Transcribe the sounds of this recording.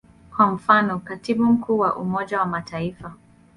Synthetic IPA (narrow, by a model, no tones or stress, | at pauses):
kwam̩fanɔkatiɓum̩kʰuːwaʔumɔʄawamatʰaifa